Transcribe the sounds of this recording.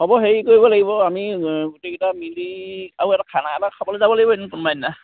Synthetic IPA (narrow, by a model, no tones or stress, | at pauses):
ɦɔbɔɦeɹikoɹibɔlaɡibɔamiɡutekɛtamiliauɛtakʰanaɛtakʰabɔlozabɔlaɡibɔenunkunmajnna